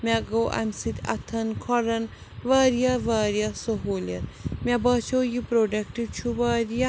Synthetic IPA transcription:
mʲaɡoʔɐ̰msit̪ʲɐ̰t̪ʰɐnkʰɔɾɐn | ʋaːɾjaʋaːɾjasoɦolʲjɐ̰ɾmabɐːt͡ʃʰojipɾoɖɐk̚ʈit͡ʃʰuʋaːɾja

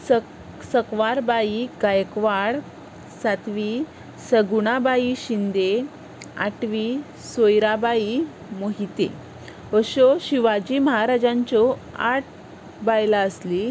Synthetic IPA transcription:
ə | səkʋaɾbaiɡajkʋaɽ | sat̪ʋi | səɡuɳ̃abaiɕind̪e | a̰ʈʋi | sojɾabai | moɦit̪ḛ | əɕoɕiʋad͡ʑiːməɦaɾad͡ʑaɲt͡ɕɔa̰ʈ̚ | bajlaəsli

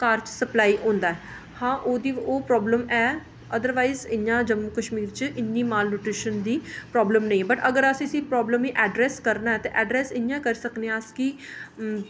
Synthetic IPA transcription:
kaːɾt͡ʃsəplaːiːɦõːnd̪aːɛː | hãːʔoːd̪iːoːpɾɔːbləmɛː | əd̪əɾʋaːizɪɲãːd͡ʒəmːuːkəʃmiːɾt͡ʃʔɪnːiːmaːlnʊʈɾɪʃənd̪iːpɾɔːbləmnə̃ĩɛːbəʈəɡəɾəsĩəsĩːpɾɔːbləmiːʔɛːɖɾɛːskəɾnaːɛːt̪eːʔɛːɖɾɛːsɪnjãːkəɾiːsəkneãski

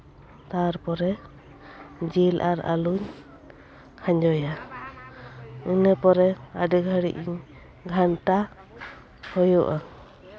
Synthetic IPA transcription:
t̪aɾpɔɾɛ | d͡ʒilʔa̰ɾa̰luɲ | kʰaɲd͡ʒɔja | ɯnəpɔɾɛaɖiɡʱaɽiʔiɲ | ɡʱanʈa | hɔjɔʔa

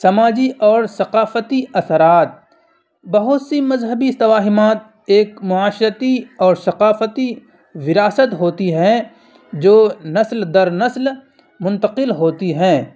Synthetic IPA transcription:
sɐmaːd͡ʒiʔɔːɾsɐqaːfət̪iʔɐsəɾaːt̪̚ | bɐɦʊt̪simɐzɦəbiɪst̪ɐwaːɦɪmaːt̪̚ | eːkmʊaːʃɾət̪iɔːɾsɐqaːfət̪i | ʋɪɾaːsət̪ɦoːt̪iɦɛ̃ | d͡ʒoːnɐsld̪ɐɾnɐsl | mʊ̃nt̪əqɪlɦoːt̪iɦɛ̃ː

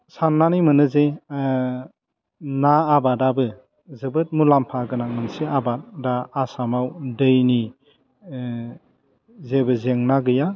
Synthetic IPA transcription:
sanːanimɯnɯze | naːbadabɯ | zɯbɯt̚mulampʰaɡɯnaŋɯnsiabat̚daːsamawdɯjni | zebɯzeŋnaɡɯja

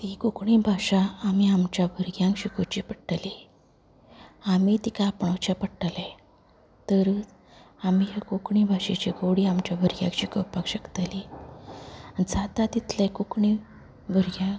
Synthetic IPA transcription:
t̪ikukɳibʱaɕaːmiamt͡ɕjabʱəɾɡjãŋkɕikʰot͡ɕipəʈəli | amit̪ikapɳɔwt͡ɕapəʈale | t̪əɾ | amijakukɳibʱaɕet͡ɕiɡoɽiːamt͡ɕjabʱəɾɡʲjã̰kɕikəpakɕəkt̪ali | anid͡zat̪at̪it̪lekukɳi | bʱəɾɡjã

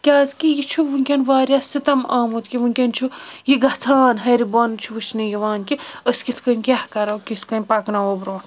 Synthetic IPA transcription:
kʲaːzkijit͡ʃʰuʋuŋkʲɐnʋaːɾʲjasit̪ɐmaːmut̪kʲiʋuŋkʲɐnt͡ʃʰujiɡɐt̪ʰaːnɦɐɾibɐnt͡ʃʰuʋɨt͡ʃʰnijiʋaːnkiəskit̪ʰkɐnʲkʲahkɐɾɐwkʲit̪ʰkɐnʲpɐknaoːbɾoːn

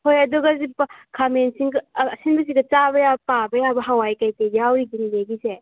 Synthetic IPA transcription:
hojɐduɡɐzipkʰamensiŋɡːsinbɐs̬iɡɐt͡ʃabɐjabpabɐjabɐɦawajkajtejawɾiɡinileɡise

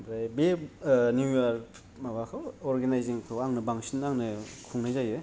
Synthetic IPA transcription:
bɾajbeniaɾ | mabakʰɯwɔɾɡenajziŋkʰoaŋnɯbaŋsʰinːaŋnɯkʰuŋnajzajɯ

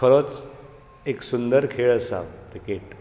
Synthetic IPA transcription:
kʰəɾot͡s | eksund̪əɾkʰeɭəsa̰bt̪ikeʈ

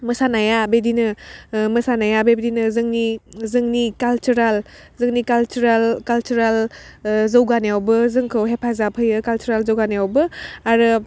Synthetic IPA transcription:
mɯsanajabedinɯmɯsanajabebedinɯzɯŋnizɯŋnikalt͡ʃuɾalzɯŋnikalt͡ʃuɾalkalt͡ʃuɾal | zɐwɡanjawbɯzɯŋkʰɯwɦepʰazapʰɯjɯkalt͡ʃuɾalzowɡanijawbɯaɾɯ

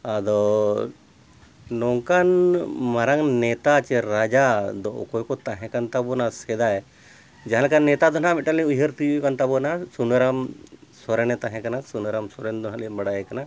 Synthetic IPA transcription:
ad̪ɔ | nɔŋkanmaɾaŋnɛt̪at͡ʃɛɾad͡ʒad̪ɔʔkɔjkɔt̪aɦɛ̃kant̪abɔnasɛd̪aɛ | d͡ʒaɦãlkanːɛt̪ad̪ɔnamɛʈalɛ̃ujɦəɾt̪ijukant̪abɔnasunəɾamsɔɾɛnɛt̪aɦɛ̃kanasunəɾamsɔɾɛnd̪ɔnɦalɛbaɽajɛkana

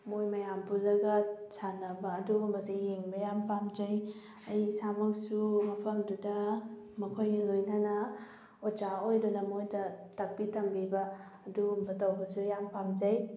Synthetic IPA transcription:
mojmɐjambulːɐɡɐsanɐbɐːdumbɐsihiŋbɐjampamd͡ʒɐj | ɐjsamɐk̚sumɐpʰɐmdudɐ | mɐkʰojlojnɐnɐ | od͡ʒaojdunɐmojdɐtɐk̚bitɐmbibɐː | dumbɐtɐwbɐsujampamd͡ʒɐj

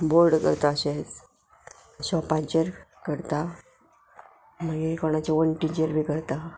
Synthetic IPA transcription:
boɾɖkə̰ɾt̪aəɕet͡s | ɕɔpaɲt͡ɕəɾkəɾt̪a | məɡekoɽ̃at͡ɕaʋənʈiɲt͡ɕəɾbʱikəɾt̪a

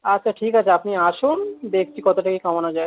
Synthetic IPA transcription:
ɐt͡ʃʰaʈʰiːkat͡ʃʰaɐpniaːʃund̪eːk̚ʰt͡ʃʰikɔt̪oʈakikãmanad͡ʒaːe

